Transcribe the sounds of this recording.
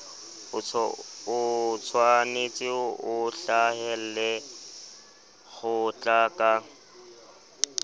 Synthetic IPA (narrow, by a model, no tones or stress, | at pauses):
ʊt͡sʰwanet͡sʼɪʊʔʊɬahɛl̩lɛ | ɣʊt͡ɬʼakʼa